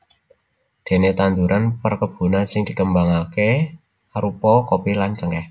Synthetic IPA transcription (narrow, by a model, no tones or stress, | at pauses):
d̪̥e̤net̪and̪uɾʔanpərkəb̥ṳnansɪŋd̪̥i̤kəmbaŋake | ɾupɔkopilant͡ʃəŋɡɛh